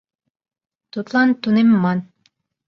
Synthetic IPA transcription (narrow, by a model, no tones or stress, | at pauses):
t̪ut̪lˠɑnt̪unimːɑn